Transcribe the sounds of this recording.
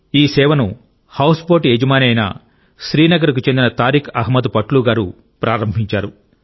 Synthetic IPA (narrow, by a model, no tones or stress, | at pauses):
iːsɛːʋɐnu | hɐwspoːʈied͡ʒɐmaːnɐjna̰ | ʃɾiːnɐɡɐɾikut͡ʃend̪inɐt̪aːɾikʰɐɦmɐd̪upɐʈluːɡaːɾu | pɾʔaːɾɐmbʱiɲt͡ʃaːɾu